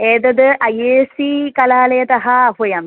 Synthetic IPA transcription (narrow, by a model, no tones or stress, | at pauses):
eːd̪ɐd̪ɨʔɐjeːsikɐlaːlɐjɐt̪ɐɦɐɐɦujɐm